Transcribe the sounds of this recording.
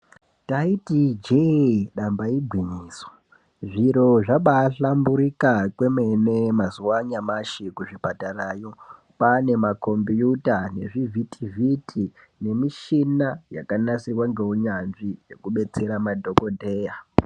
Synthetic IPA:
taitid͡ʒeɗambaiɡʱwiɲiːswḁ | ʐiɾo̞ʐaɓaɬambuɾikakwe̞me̞ne̞mazuwaɲamaʃikuʐipataraːjo | pane̞mako̞mbjutane̞̰ʐivʱitʰivʱitʰi | ne̞miʃinajakanasirwaŋɡe̞uɲanʐije̞kuɓe̞t͡se̞ɾamadʱo̞ko̞dʱe̞ːja

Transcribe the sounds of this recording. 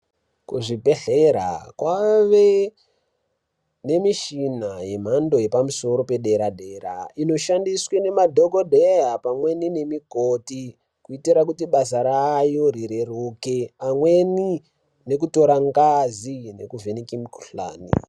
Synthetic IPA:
kuʐibe̞ɬeɾa̰kwaʋe | ne̞miʃinaje̞m̤ando̞je̞pamuso̞ɾo̞pe̞ɗeɾadʱeɾa̰ino̞ʃandiswene̞madʱoɡodʱeɦapamwe̞nine̞mikoti | kuitiɾakutiɓasaɾajo̞ɾiɾerukeamweni | ne̞k̬uto̞ɾaŋɡazine̞̰kuvʱenikimiku̥ɬa̰ːnḭ

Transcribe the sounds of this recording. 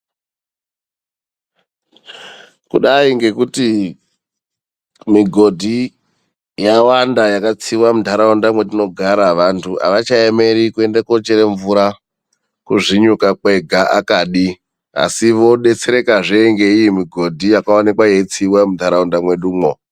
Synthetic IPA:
kṵɗaiŋɡe̞kuti | miɡʱo̞dʱi | jawandajakat͡siwamundʱaɾaundamwe̞ɗino̞ɡʱaɾaʋantʰua̰ʋat͡ʃaeme̞ɾikue̞ndako̞t͡ʃeɾeɱvuɾa | kuʐiɲukake̞ɡʱaʔakaːɗi | a̰siʋo̞ɗe̞t͡se̞ɾe̞kaʐeŋɡe̞ijimiɡʱo̞dʱijakaonikwaje̞it͡siwamudʱaɾaundamwe̞ɗuːmo

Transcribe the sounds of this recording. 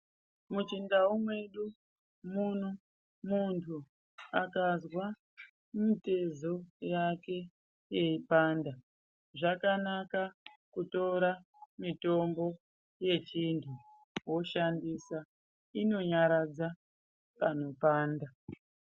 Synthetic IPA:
mut͡ʃindaumwe̞ɗu | mun̤u | muntʰu | akazwa | mite̞zo̞jake̞ | je̞ipaːnda | ʐakanaka | kuto̞ɾa | mito̞mbo̞ | je̞t͡ʃintʰu | wo̞ʃandisa | ino̞ɲaɾad͡za | pan̤o̞paːnda

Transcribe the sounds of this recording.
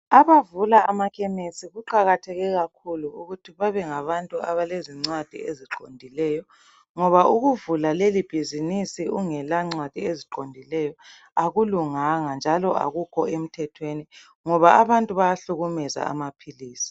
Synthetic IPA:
aβavulaamakʰɛmesiɣuǃaɣatʰɛɣɛɣakʰuluuɣutʰiβaβɛŋaβantʼuaβaleziŋ͡ǀwad̥ʱḭeziǃondʱilɛjɔ | ŋɔβaʔuɣuvulalelib̥ʱizinisiʔuŋɛlaŋ͡ǀwad̥ʱieziǃondʱilɛjɔ | aɣuluŋaŋand͡ʒʱalɔʔa̰ɣukʰɔem̩tʰɛtʰweni | ŋɔβaaβantʼuβajaɬuɣumɛza̰a̰mapʰiliːsi̥

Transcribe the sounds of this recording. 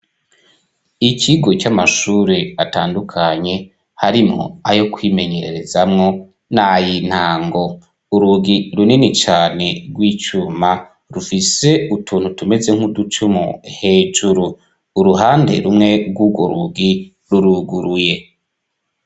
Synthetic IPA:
iciɡo̞t͡ʃamaʃuːɾeataːndukʰaɲe̞ | haɾimŋo̰ajo̞kwiːme̞ɲe̞ɾe̞ɾe̞zamŋo̞ | najin̥haːŋɡo̞ | uɾuɡiɾuninit͡ʃaːne̞ɡwiːt͡ʃuma | ɾufise̞utʰuːn̥hutume̞ze̞ŋ̥hudut͡ʃumṵhe̞ːd͡ʒuɾuː | ɾuɦaːnde̞̰ɾumŋe̞ɡwuɡwoɾuɡi | ɾuɾuɡuɾuje̞

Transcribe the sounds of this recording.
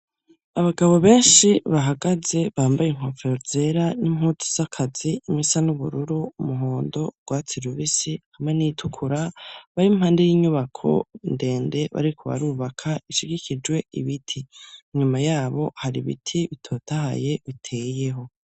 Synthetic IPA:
aβaɡaβo̞βe̞ːnʃiβaɦaɡaze̞βaːmbajeŋ̥ho̞feoze̞ɾanimhut͡si̥z̥akʰaz̥iːmisanuβṵɾuɾumuɦoːndo̞ɡ̥waːt͡siɾuɾisihamenitʰukʰuɾaβaɾimhaːnde̞jiːɲuβakʰo̞̰inde̞ːnde̞βa̰ɾikʰo̞βa̰ɾuːβakʰaiʃiɡikid͡ʒwe̞ḭβitʰiɲumajaːβo̞haɾḭβḭtʰiβitʰo̞ːtaha̰je̞βitʰeːje̞ɦo̞

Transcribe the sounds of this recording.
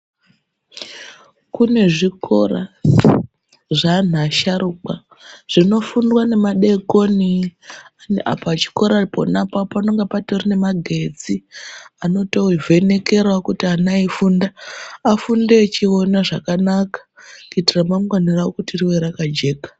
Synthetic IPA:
kune̞ʐiko̞̰ra̰ | ʐan̤aʃaɾuk͡pa | ʐ̥ino̞fundwane̞maɗe̞ko̞ni | nʔa̰pat͡ʃi̥ko̞ɾaipo̰napapano̞ŋɡepatorine̞maɡʱe̞d͡ziano̞to̞ivʱe̞ne̞ke̞rwakutianaifundaːfundet͡ʃionaʐakanakḁkuitiramamɡaniraokutiriweɾakad͡ʒe̞ːkḁ

